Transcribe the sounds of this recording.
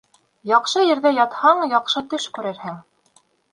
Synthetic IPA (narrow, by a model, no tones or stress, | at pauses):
jɑqʃɤjɘ̆ɾðæjɑt̪hɑɴjɑqʃɤt̪ɵʃkʉɾɘɾhɘŋ